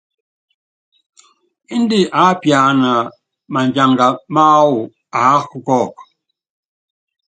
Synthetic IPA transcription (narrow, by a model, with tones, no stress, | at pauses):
i˦n˦di˦ʔa˨˦pja˨na˨ | ma˨nd͡ʒa˨ŋɡa˨ma˦wu˨ | a˨˦hu˦kɔ˦˨k